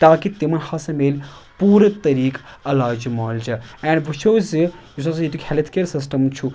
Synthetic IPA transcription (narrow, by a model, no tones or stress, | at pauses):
t̪aːkit̪imɐnhɐsɐmeːlʲpuːɾɐt̪ɐɾiːkɐlaːd͡ʒimaːld͡ʒɐɛːɳɖbut͡ʃʰoːzijusɐs̬ɐ̃it̪ʰukʰʲhelt̪ʰkeːɾsisʈɐmt͡ʃʰu